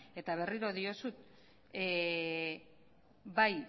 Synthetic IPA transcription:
e̞t̪aβ̞e̞riɾo̞ðio̞sut̪̚ | baj

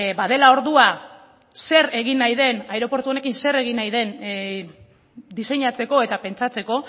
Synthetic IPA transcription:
baðe̞lao̞ɾðua | se̞ɾe̞ɣ̞inajðe̞najɾo̞po̞ɾt̪uo̞ne̞kinse̞ɾe̞ɣ̞inajðe̞n | d̪ise̞ɲat͡se̞ko̞e̞t̪ape̞nt͡sat͡se̞ko̞

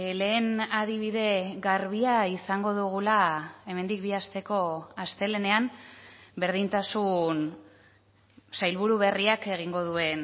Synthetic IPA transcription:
le̞ːnaðiβiðe̞ɣaɾβiaisaŋɡo̞ðuɣ̞ulae̞me̞nd̪ik̚biast̪e̞ko̞ast̪e̞le̞ne̞am | be̞ɾð̞int̪asun | sajlβuɾuβ̞e̞riake̞ɣ̞iŋɡo̞ð̞ue̞n

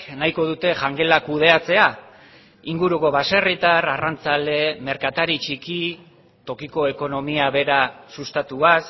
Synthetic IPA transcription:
najko̞ðut̪e̞ʝaŋɡe̞lakuð̞e̞at͡se̞a | iŋɡuɾuko̞βase̞rit̪ararant͡sale̞me̞ɾkat̪aɾit͡ʃiki | t̪o̞kiko̞e̞ko̞no̞miaβe̞ɾasust̪at̪uas

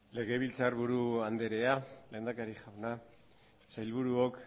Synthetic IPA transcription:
le̞ɣe̞β̞ilt͡saɾβuɾuand̪e̞ɾe̞ale̞ːnd̪akaɾixawna | sajlβuɾuok

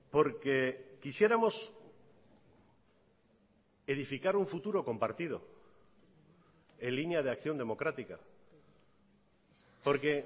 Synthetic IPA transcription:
po̞ɾkekisje̞ɾamo̞s | e̞ðifikaɾuɱfut̪uɾo̞ko̞mpaɾt̪ið̞o̞̰ | enlinjað̞eakθjond̪e̞mo̞kɾat̪ika̰ | po̞ɾke̞

